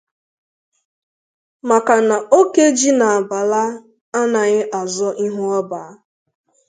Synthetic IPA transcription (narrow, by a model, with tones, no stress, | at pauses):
ma˨ka˨na˨o˦ke˦d͡ʒi˦na˨a˨ba˨la˦ | a˦na˨ɣɪ˦ʔa˨zɔ˦ʔi˦ɦu˦ɔ˦ba˨a˦